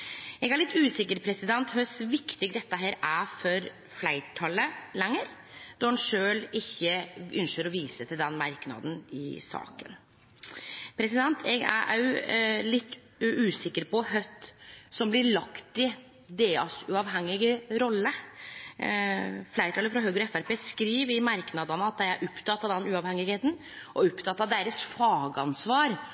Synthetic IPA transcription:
ɛɡæɾɭɪt̪ːʉːsɪkːəɾpʰɾɛsɪd̪ɛnt̪ɦœsʋɪkt̪ɪɡd̪ɛt̪ːəɦeːɾæfɔɾ | flæɪʈʰɑləlɛŋːəɾ | d̪ɔɾhɑnʂøːlɪçːəʔʉnʃəɾɔʋiːsət̪ʰɪld̪ɛnmɑɾknɑ̰d̪n̩ɪ̰sɑ̰ːkən | pʰɾɛsɪd̪ɛnt̪ʰɛɡæ̰ | lɪt̪ː | ʉːsɪkːəɾpɔɦœt̪ːsɔmblɪɭɑkt̪ɪ | d̪eːɑsʉɑʋɦɛŋːɪɡəɾɔlːə | flæɪɾət̪ɑləfɾɑɦøːɡɾɔɛfæɾpeːskɾiːʋɪmɑɾknɑd̪ɑnəɑt̪̚d̪æɪæɾʔʊpt̪ʰɑt̪ːɑd̪ɛnʉːɑʋhɛŋɪɡheːt̪n̩ | ʔɔʊpt̪ʰɑt̪ːɑd̪eːɾəsfɑːɡəɑnsʋɑːɾ

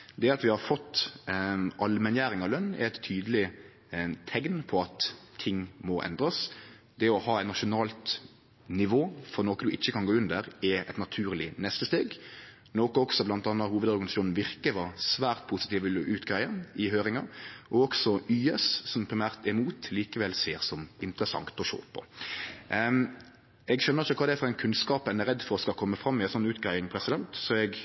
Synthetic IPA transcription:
d̪ɛɑt̪ʋɪhɑɾfɔt̪ː | ʔɑlmɛnjæːɾɪŋɑʋlœnːɛ̰ɛt̪ʰːyːd̪əlɪ | t̪ʰɛɡnpʰɔɑt̪ʰːɪŋːmɔʔɛ̰nd̪ɾəs | d̪̥ɛɔhɑːɛɪnɑʃʊnɑːlt̪ | nɪʋoːfɔɾnoːkəd̪ʉʔɪçːəkʰɑnɡoːʉnd̪əɾɛɛ̰t̪nɑt̪ʰʉːʁlɪnɛst̪əst̪eːɡ | noːkəɔksɔblɑnt̪ɑnːɑhuːʋəd̪ɔʁɡɑnɪsɑʃuːn̩ʋɪɾkəʋɑsʋæːɾt̪̚pʰusɪt̪iːʋəlʔʉːt̪ɡɾæɪəɪɦøːɾɪŋɑʔɔɔɡsɔyːɛssɔmpʰɾɪmæːʁt̪ɛmuːt̪liːkəʋɛlseːɾsɔmɪnt̪ɾəsɑ̰ŋt̪ɔʃo̰ːpʰɔ̰ | ɛɡʃœnːəʁɪçːəkʰɑːd̪ɛæfɔɾɛɪnkʰʉnskɑːpɛnɛɾɛd̪ːfɔɾɔskɑkʰɔmːəfɾɑmːɪæɪsɔnːʉːt̪ɡɾæɪɪŋpʰɾɛsɪd̪ɛnt̪sɔɛɡ

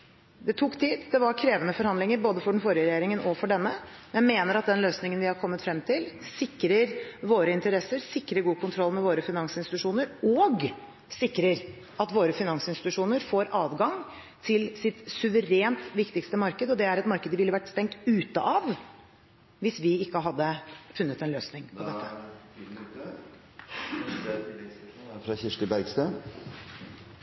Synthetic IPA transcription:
d̪ɛt̪ʰukːt̪ʰiːd̪d̪ɛʋɑɾkʰɾeːʋənəfɔɾhɑnd̪lɪŋəɾboːd̪əfɔɖɛn̩fɔɾɪəɾɛjeːɾɪŋənɔfɔɖɛnːə | mɛnmeːnəɾɑt̪̚d̪ɛnløːsnɪŋənʋɪhɑɾkʰɔmːət̪fɾɛmt̪ʰɪlsɪkːɾəɾʋoːɾəɪnt̪əɾɛsːəɾsɪkːɾəɾɡuːkʰʊnt̪ʰɾɔlːmɛʋoːɾəfɪnɑŋsɪnsɪt̪ʉʂuːnəɾɔːɡ | sɪkːɾəɾ | ɑt̪ʋoːɾəfɪnɑŋsɪnst̪ɪ̥t̪ʉʂuːnəɾfoːɾʔɑːʋɡɑŋ | t̪ʰɪlsɪt̪sʉʋəɾeːnt̪ʋɪkt̪ɪkst̪əmɑɾkəd̪ɔd̪ɛæɾɛt̪mɑɾkəd̪əʋɪlːəʋæʈːst̪ɛŋk̚t̪ʉːt̪əʔɑʋ | ʋɪsʋɪɪkːəɦɑd̪ːəfʉnːət̪ɛnløːsnɪŋpʰɔd̪ɛtt̪ːə | fɾɑçɪʂʈəbæɾɡst̪ə

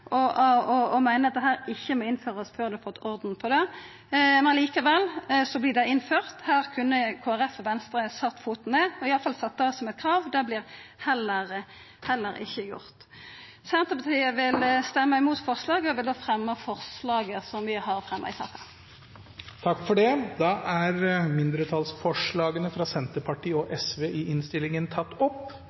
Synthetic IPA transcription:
ʔɔɔɔmæɪnəɑt̪̚d̪ɛɦæːɾɪçːəmɔːɪnføːʁəɔsføːʁd̪ʉɑfɔt̪ːɔɾd̪n̩pʰɔd̪ɛ | mɛnɑliːkəʋɛlːsɔblɪːd̪æɪɪnføːʁt̪hæːʁkʰʉnːəkʰoːæʁɛfɔʋɛnst̪ɾəsɑt̪ːfuːt̪n̩ːeːɔɪɑləfɑlsɑt̪ːəɔsɔmɛt̪̚kʰʁɑːʋd̪ɛblɪːʁhɛlːəʁ | hɛlːəɾɪ̰çːəjʊ̰ʁt̪ | sɛnt̪əpɑt̪ʰiːəʋɪlst̪ɛmːəɪmuːt̪fɔʁslɑːɡəɔʋɪld̪oːfʁɛmːəfɔʁslɑːɡəsɔmʋɪhɑʁfʁɛmːʔɑ̰ɪsɑ̰ːkɑ | t̪ʰɑkːfɔɖɛd̪ɑʔæɾmɪnd̪ɾət̪ʰɑlsfɔʂɭɑːɡənəfɾɑsɛnt̪əpʰɑʈiːɔʔɛsʋeːʔɪɪnst̪ɪlːɪŋənt̪ʰɑt̪ːɔp

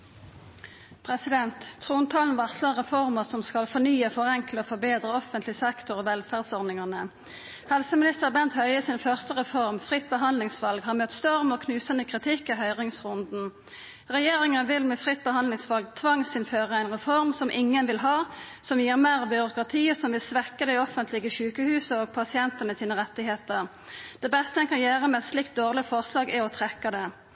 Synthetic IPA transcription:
pʰʁɛsɪd̪ɛnt̪t̪ʰʁuːnt̪ʰɑːlnʋɑsləʁɛfɔʁməʁsɔmskɑlfɔnyːəfɔʁɛŋkləoːfɔʁbeːd̪ʁəɔfənt̪ʰlɪsɛkt̪ʊʁoːʋɛlfæːʁd̪sɔʁd̪ɪŋɑʁnə | hɛlsəmɪnɪst̪əʁbɛnt̪hœʏəsɪnfœʁst̪əʁɛfɔʁmfʁɪt̪̚ːbəɦɑnlɪŋsʋɑlɡhɑːmœt̪st̪ɔʁmoːkʰnʉːsənəkʰʁɪt̪ʰɪkːɛɦœʏʁɪŋsʁʊnd̪n̩ | ʁɛjeːʁɪŋənəʋɪlmɛfʁɪt̪̚ːbəhɑnlɪŋsʋɑlɡ̚t̪ʰʋɑŋsɪnføːʁəæɪnʁɛfɔʁmsɔmʔɪŋːənʋɪlɦɑː | sɔmjiːʁmeːʁbʏʁʊkʁɑt̪ʰiːəsɔmʋɪlsʋɛkːəd̪ɛɪɔfənt̪ʰlɪɡəɕʉːkəhʉːsəoːɡpʰɑsɪɛnt̪ənəsiːnəʁɛt̪ːɪɦeːt̪əʁ | d̪̥ɛbɛst̪əɛnkʰɑnjøːʁəmɛɛt̪slɪkt̪̚d̪oːʁlɪfɔʁslɑːɡɛɔt̪ʰʁɛkːɑd̪ɛ

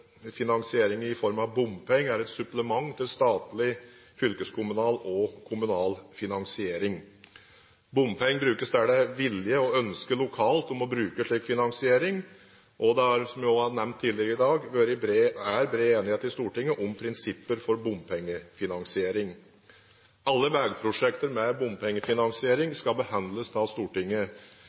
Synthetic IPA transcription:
fɪnɑŋsɪeːɾɪŋɪfɔɾmɑʋbʊmpʰɛŋːæɾɛt̪sʉpləmɑŋːt̪ʰɪlst̪ɑːt̪lɪ | fʏlkəskʰʊmʉnɑːlɔkʰʊmʉnɑːlfɪnɑŋsɪeːɾɪŋ | bʊmpʰɛŋːəbɾʉːkəsd̪æɖɛʋɪljəɔœnskəlʊkʰɑːlt̪ɔmɔbɾʉːkəʂɭiːkfɪnɑŋsɪeːɾɪŋ | ʔɔd̪ɛhɑɾsɔmjʊhɑɾnɛʋnt̪ʰːɪlɛɡəɾɪd̪ɑːɡʋøɾɪbɾeːæɾbɾeːeːnɪheːt̪ɪst̪uːʈɪŋːəʔʊmpʰɾɪnsɪpːəɾfɔɾbʊmpʰɛŋːəfɪnɑŋsɪeːɾɪŋ | ɑlːəʋæɡpʰɾʊʂɛkt̪əɾmɛbʊmpʰɛŋːəfɪnɑŋsɪeːɾɪŋskɑbəhɑnd̪ləsd̪ɑːst̪uːʈɪŋːə

